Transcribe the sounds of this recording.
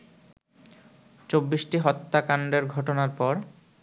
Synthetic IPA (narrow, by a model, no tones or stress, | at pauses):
t͡ɕobːisʈiɦɔt̪ːakaɳɖeɾɡʱɔʈonaɾpɔɾ